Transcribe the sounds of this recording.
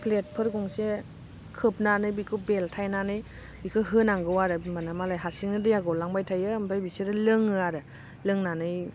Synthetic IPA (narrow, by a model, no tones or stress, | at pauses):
pʰlet̚pʰɯɾɡɔŋse | kʰɯp̚nanɯjbikʰɯbeltʰajnanɯj | bikʰɯɦɯnaŋɡɯwaɾɯmanamalajɦasiŋnɯdɯjaɡɔlaŋbajtʰajɯmpʰajbiseɾɯlɯŋɯaɾɯ | lɯŋnanɯj